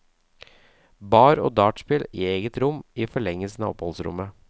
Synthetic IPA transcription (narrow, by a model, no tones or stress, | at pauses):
bɑːɾo̰ːd̪ɑːʈspɪlḭːeːɡət̪ɾʊmiːfɔɭɛŋːəlsnə̰ːɔ̰phɔlsɾʊ̰mə